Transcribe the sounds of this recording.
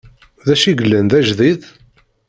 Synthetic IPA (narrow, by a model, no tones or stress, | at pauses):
ðæʃiɡəlːənðæʒðið